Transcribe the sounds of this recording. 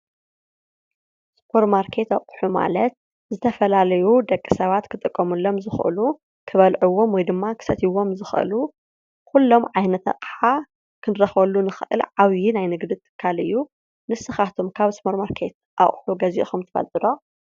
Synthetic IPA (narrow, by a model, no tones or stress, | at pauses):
spʰoɾmaɾkʰe̞t̪aχʼħuma̰lɐt̪̚ | zɨt̪ʰɐfɐlalɐjud̪ɐkʼːisɐβat̪kʰɨt̪ʼɨkʼːɐmɨlːomzɨxʔɨ̰lu | kʰɨβɐlʕuwo̞mwɔjd̪ɨmːakʰɨ̥sɐt̪ʰiwo̞mzɨxʔɨ̰lu | kulːo̞mʕajnɐt̪ɐ̰qʼħa | kʰɨnɾɐxβɐlːunɨxɨʔɨ̰lʕaβjinajnɨɡd̪ɨt̪ʰɨ̥kʰːalɨjːu | nɨsɨxat̪ʰomkʰaβspʰoɾmaɾkʰe̞t̪̚ | ʔa̰χʼħuɡɐzḭʔxumt̪ʰɨ̥fɐ̰lt̪ʼɨd̪o